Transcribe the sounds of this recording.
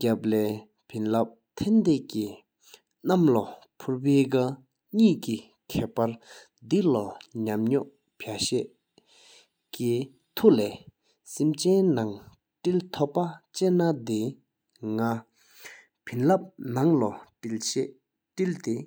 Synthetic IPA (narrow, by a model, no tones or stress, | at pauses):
cap̚lɛː | pʰinlap̚t̪ʰɛnd̪ɛʔci | namlɔ | pʰuɹpeːka | ɲiːʔci | kʰɛːʔpaɹ | d̪ilɔɲamɲɔʔ | pʰaɕɛʔ | ki | t̪ʰulɛː | simt͡ɕɛnnaŋ | ʈ͡ʂilt̪ʰɔʔpːat͡ɕɛːnad̪e | ŋa | pʰinlap̚naŋlɔilɕɛʔ | ʈ͡ʂilt̪e